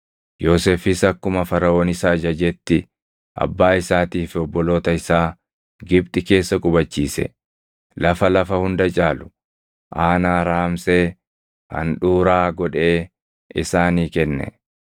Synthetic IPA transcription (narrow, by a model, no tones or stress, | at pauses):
jo̞ːseːfɪsɐkːʊmɐfɐɾɐo̞ːnɪsaːd͡ʒɐd͡ʒɛt̪ːɪ | ʔɐ̰bːaːɪsaːt̪iːfɔbːɔlo̞ːt̪ɐɪsaː | ɡɪbt̪ʼɪke̞ːsːɐkʼʊbɐt͡ʃːiːsɛ̰ | lɐfɐlɐfɐhʊnd̪ɐt͡ʃʼaːlʊ̥ | ʔaːnaːɾaːmseː | hɐ̰nᶑuːɾaːɡɔᶑe̞ː | ɪ̰saːniːkɛnːɛ̰